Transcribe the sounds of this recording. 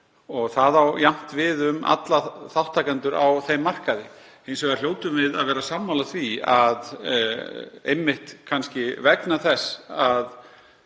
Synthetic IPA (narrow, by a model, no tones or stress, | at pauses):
ɔɣθaðawjam̥t̪vɪðʏma̰t̪laθaw̥t̪ʰːaːkant̪ʏɾawθejmːar̥kaðɪ | ejns̬ɛɣaɾljoːwt̪ʏmvɪðaðvɛːɾasaːmːawlaθviað | ḛjmːɪht̪kʰanscɪvɛknaθɛsːað